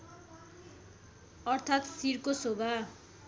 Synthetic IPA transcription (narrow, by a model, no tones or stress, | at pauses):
ʌrt̪ʰat̪siɾkosobʱa